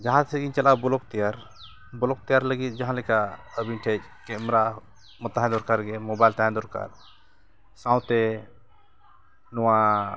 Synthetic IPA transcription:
d͡ʒaɦãt̪sɛɡiɲt͡ʃalʔabɔlɔk̚t̪ijaɾ | bɔlɔk̚t̪ijaɾləɡit̪̚d͡ʒaɦãlɛkaəbiɲʈʰɛt͡ʃ̚ | kɛmɾa | mɔt̪aɦɛ̃d̪ɔɾkaɾɡɛmɔbajlt̪aɦɛ̃d̪ɔɾka̰ɾ | sãw̃t̪ɛ | nɔwa

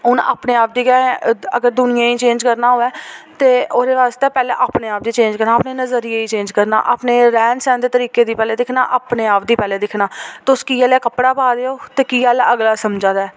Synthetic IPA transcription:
ɦʊna̰ːpneːaːp̚d̪iːkɛ̃ːəɡəɾd̪ʊnɪjãːiːt͡ʃẽːnd͡ʒkəɾnaːɦoːɛːt̪eːoːɾeːʋaːst̪eːpɛːlḛːʔaːpneːaːp̚d̪iːt͡ʃẽːnd͡ʒkəɾnaːpneːnəzəɾiːeiːt͡ʃẽːnd͡ʒkəɾna̰ːʔa̰ːpneːɾɛ̃ːnsɛ̃ːnd̪eːt̪əɾiːkeːd̪iːpɛːleːd̪ɪkʰna̰ːʔaːpneːaːp̚d̪iːpɛːleːd̪ɪkʰnaːt̪eʊskiːɛːlɛːkəpɽaːpaːd̪eːoːt̪eːkiːɛːlɛʔəɡlaːsəmd͡ʒãːd̪aɛː

